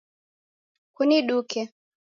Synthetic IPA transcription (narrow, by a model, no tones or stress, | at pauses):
kuniɗukɛ